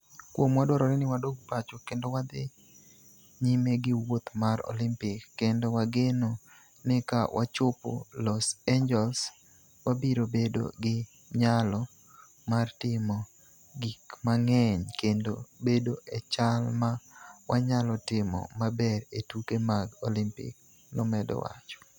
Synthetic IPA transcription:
kwomwadwɔɾɔɾɛnɪwadoɡ̚pat͡ʃokendowad̪ɪ | ɲimeɡɪwot̪maɾo̰limpɪkːendowaɡeno | nɪkawʔa̰t͡ʃʊpo̰lɔseɲd͡ʒɛls | wabiɾobedo̰ɡɪ | ɲalɔ | martɪmɔ | ɡikmaŋɛɲkendobedoʔɛt͡ʃalmawʔaɲalɔtɪmɔ̰mabɛɾetukemaɡolimpɪ̰k̚ | lɔmɛdɔ̰wa̰t͡ʃɔ̥

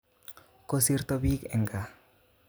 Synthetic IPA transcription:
kosiɾt̪obikḛŋɡa

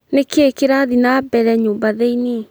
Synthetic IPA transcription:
nekekeɾaðinabɛɾɛɲoːmbaðeine

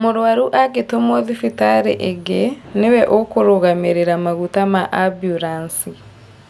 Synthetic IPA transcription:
moɾwaɾuʔaɡetomɔðifitaɾḛʔeɡenewɛʔokoɾoɣameɾeɾamaɣutamaʔabjuɾansi

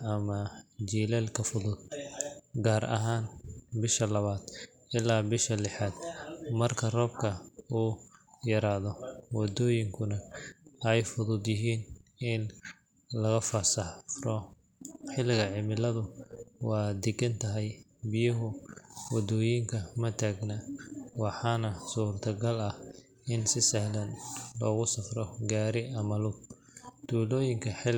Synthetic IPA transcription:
ɐmɐd͡ʒiːlɛːlkʰɐfʊðʊd̪̚ | ɡaːɾʔɐ̰ɦaːnbɪʃɐlɐβaːd̪̥ | ʔɪlaːbɪʃɐlɪħaːd̪mɐrkʰɐrɔːb̚kʰɐuːjɐɾaːðɔwɑd̪ɔːjɪŋkʰʊnɐɛjfʊðʊd̪jɪɦiːnɪn | lɐɣɐfɐsɐɔ | ħɪlɪɣɐʕɪmɪlɐðʊwɑːd̪ɛɡɐnt̪ʰɐɦɛj | bɪjɐɦʊwɑd̪ɔːjɪŋkʰɐmɐt̪ʰaːɡnɐwɑħɑnɐsuːrt̪ʰɐɡɐlɐh | ɪnsɪsɛhlɐnlɔːɣʊsɐfrɔɡaːɾɪʔɐmɐlʊ | d̪̥uːlɔːjɪŋkʰɐħɪl

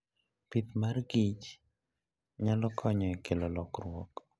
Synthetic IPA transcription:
pit̪marɡit͡ʃ | ɲalɔkʰɔɲɔikʰelɔlɔkrʊwɔk

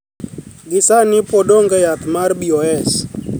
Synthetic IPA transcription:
ɡɪsanɪpodoŋɡɛjat̪marbiɔɛs

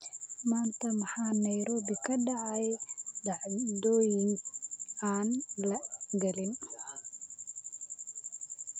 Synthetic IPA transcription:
maːnt̪ʰɐmɑħaːnɐjɾɔːbɪkʰɐɖɑʕɑjdɑʕd̪ɔːjɪŋ | aːnlɐɡɐlɪn

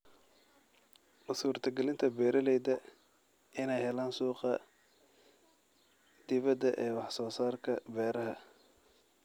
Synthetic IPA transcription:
ʔʊsuːrt̪ʰɐɡɛlɪnt̪ʰɐbɛːɾɐlɛjd̪ɐ | ɪnɛjhɛlaːnsuːqɑ | d̪̥ɪβɐd̪ɐʔɛːwɑħsɔːsaːrkʰɐbɛːɾɐɦɐ

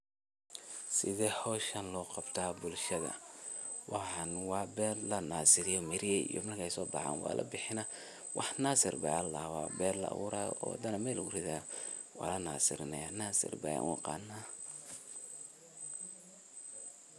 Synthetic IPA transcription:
sɪðɛhɔːʃɐnlɔːqɑbt̪ʰaːbʊlʃɐðɐ̰wɑħɑnwɑːbɛːrlɐnaːsɪɾɪjɔmɪɾɪjɛjḭjɔ̰mɐrkʰɛjsɔːbɑʕa̰ːnwɑ̰ːlʔɐ̰bɪħɪnɐ | wɑħnaːsɪ̰rba̰alawɑ̰ːbɛːrlɐ̰wʊɾaɔ̰ːw̰d̪ɐnɐmɛːlɡʊrɪðaː | wɑ̰ːlɐna̰ːsɪɾɪnɛjanaːsɪ̰rbɐ̰ja̰ŋwʊqɑ̰ːnːaː

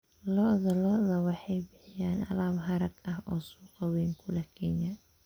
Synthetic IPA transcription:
lɔʔðɐlɔʔðɐwɑħɑjbɪħɪjaːnɐ̰laːbɦɐɾɐɡɐɦɔ̰ːsuːqɑwɛjŋkʰʊlɐkʰɛnɐ

